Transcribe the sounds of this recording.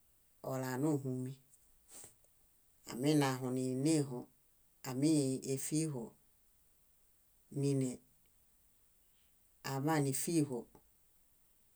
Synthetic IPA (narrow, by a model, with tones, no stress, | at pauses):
o˨la˨nu˦˨ɦũ˨mi˧ | a̰˨mi˦˨na˨ɦo˨ni˨ne˦˨ɦo˨ | a˨mi˦e˧fi˦ɦo˨ | ni˧nɛ˨ | a˨ma˦˨ni˨fi˦˨ɦo˨